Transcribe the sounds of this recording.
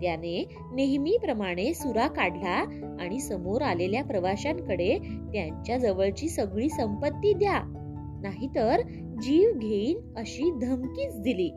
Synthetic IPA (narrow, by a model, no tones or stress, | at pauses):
t̪jane | neɦmiːpɾəmaɽ̃esuɾakaɽla | aɽ̃isəmoɾaleljapɾəʋaɕaŋkəɽet̪jaɲt͡ɕjad͡zəʋəɭt͡ɕiːsəɡɭiːsəmpət̪ːiːd̪ja | naɦit̪əɾ | d͡ʑiʋɡʱeiːn | əɕiːd̪ʱəmkiːt͡sd̪iliː